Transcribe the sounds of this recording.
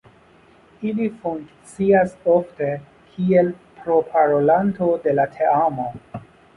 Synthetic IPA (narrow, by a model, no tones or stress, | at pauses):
ilifuŋkt͡siaso̞fte̞ | kʰielpɾo̞pʰaɾo̞lanto̞de̞latʰe̞amo̞